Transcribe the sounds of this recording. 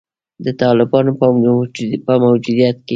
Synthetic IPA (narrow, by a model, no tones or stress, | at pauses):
d̪ət̪ɑlɪbɑnopə | pəmawd͡ʒud̪ijat̪ke